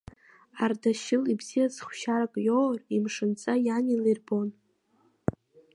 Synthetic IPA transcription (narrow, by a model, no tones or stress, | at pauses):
ardaʃɪlibz̥ijazχʷʃaɾakʼjorimʂɨnt͡sʼajanilirbo̞n